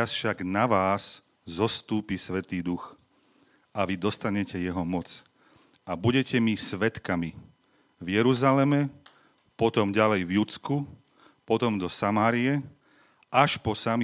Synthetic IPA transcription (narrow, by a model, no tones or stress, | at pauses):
asfʃaɡnaʋaːs | zɔst̪uːpisʋɛt̪iːd̪ux | ʔaʋid̪ɔst̪aɲɛcɛjɛɦɔmɔt͡s | abuɟɛcɛmisʋɛt̪kami | vjɛɾuzalɛmɛ | pɔt̪ɔmɟalɛjvjut͡sku | pɔt̪ɔmd̪ɔsamaːɾiɛ | aʃpɔsami